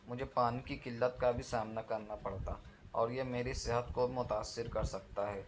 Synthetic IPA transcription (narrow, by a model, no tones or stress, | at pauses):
mʊd͡ʒʱepaːnikikɪlːət̪kabʱisaːmnakɐɾnapɐɽt̪aɔ̰ːɾjemeːɾisɪɦət̪kobimʊt̪aːsːɪɾkɐɾsɐk̚t̪aɦɛː